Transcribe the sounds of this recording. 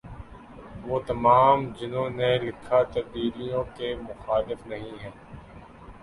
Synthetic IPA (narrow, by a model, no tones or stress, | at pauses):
ʋoːt̪ɐmaːmd͡ʒɪnõːnelɪkʰːat̪ɐb̚d̪iːlijõkemʊxaːlɪfnɐɦĩɦɛː